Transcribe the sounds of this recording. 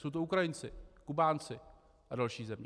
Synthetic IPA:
sowt̪oukɾajɪnt͡sɪkʊbaːnt͡sʰɪ | adalʃiːzɛmɲ

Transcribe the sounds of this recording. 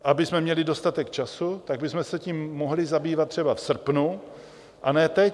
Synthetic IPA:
ʔabɪsmɛmɲɛlɪdo̞st̪at̪ɛkt͡ʃasut̪aɡ̚bɪsmɛsɛciːmːoɦlɪzabiːvat̪ːr̝̥ɛbafsr̩pnu | ʔanɛːt̪ɛ

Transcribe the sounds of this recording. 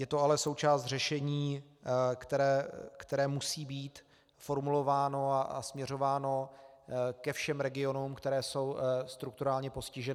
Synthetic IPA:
jɛt̪oalɛso̞wt͡ʃaːst̪r̝ɛʃɛɲiː | kt̪ɛɾɛːkt̪ɛɾɛːmusiːbiːt̪ | fo̞ɾmulo̞vaːno̞aʔa̰smɲɛɾ̝o̞vaːno̞ | kɛfʃɛmɾɛɡɪo̞numkt̪ɛɾɛːso̞wst̪ɾukt̪uɾaːlɲɛpo̞scɪʒɛnɪ

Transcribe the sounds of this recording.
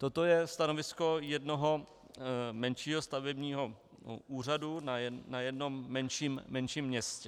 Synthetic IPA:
t̪ot̪o̞jɛst̪ano̞vɪsko̞jɛdno̞ɦo | mɛnʃiːɦost̪avɛbɲiːɦo̞ | ʔuːr̝adunanajɛdno̞mːɛnʃiːmːɛnʃiːmːɲɛscɛ

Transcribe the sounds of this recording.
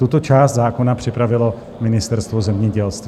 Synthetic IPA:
t̪ut̪o̞t͡ʃaːst̪zaːkonapr̥ɪpɾavɪlo̞ | mɪnɪst̪ɛɾst̪vozɛmɲɛɟɛlst̪v

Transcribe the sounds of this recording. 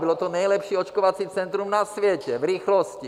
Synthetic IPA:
bilɔt̪ɔnɛjlɛpʃiːɔt͡ʃkɔʋat͡sit͡sɛnt̪ɾumnasʋɛcɛvɾiːxlɔsci

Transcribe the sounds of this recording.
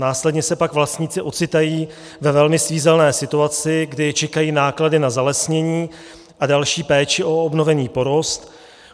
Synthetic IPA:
naːslɛdɲɛsɛpakvlast̪ɲiːt͡sɪʔo̞t͡sɪt̪ajiː | vɛvɛlmɪsviːzɛlnɛːsɪt̪uat͡sɪɡdɪt͡ʃɛkajiːnaːkladɪnazalɛsɲɛɲiː | ʔadalʃiːpɛːt͡ʃɪʔo̞obno̞vɛniːpo̞ɾo̞st̪

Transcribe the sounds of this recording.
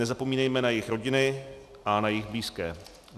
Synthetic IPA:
nɛzapo̞miːnɛjmɛnajɪxɾo̞ɟɪnɪ | ʔanajɪxbliːskɛː

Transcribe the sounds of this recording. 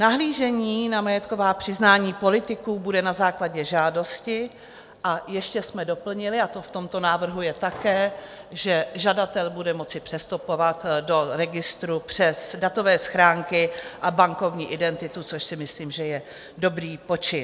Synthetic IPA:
naɦliːʒɛɲiːnamajɛt̪ko̞vaːpr̥ɪznaːɲiːpo̞lɪt̪ɪkuːbudɛnazaːklaɟɛʒaːdo̞scɪ | ʔajɛʃcɛsmɛdo̞pl̩ɲɪlɪat̪o̞ft̪o̞mt̪o̞naːvr̩ɦujɛt̪akɛː | ʒɛʒadat̪ɛlbudɛmo̞t͡sɪpr̝̥ɛst̪upovat̪do̞ɾɛɡɪst̪ɾupr̝̥ɛsdat̪o̞vɛːsxɾaːŋkɪʔabaŋko̞vɲiːʔɪdɛnt̪ɪt̪ut͡so̞ʃsɪmɪsliːmʒɛjɛ | do̞bɾiːpo̞t͡ʃɪ

